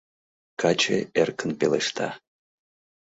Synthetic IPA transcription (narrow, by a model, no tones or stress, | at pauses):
kat͡ʃḛerkənpelḛʂt̪ʰa̰